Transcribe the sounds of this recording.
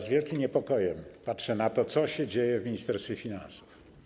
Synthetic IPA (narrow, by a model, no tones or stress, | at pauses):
zvʲjɛlkʲimɲɛpɔkɔjɛmpatʂɛnat̪ɔt̪sɔɕɛd͡ʑejɛvmʲiɲist̪ɛɾst̪fʲjɛfʲinã̰nsu̥f